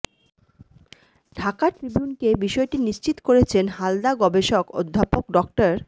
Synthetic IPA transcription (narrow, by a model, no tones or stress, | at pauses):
ɖʱakaʈɾibjunkebiʃɔeʈiniʃt͡ɕit̪koɾet͡ɕʰenɦald̪aɡɔbeʃoko̰d̪ʱːapokɖɔk̚ʈaɾ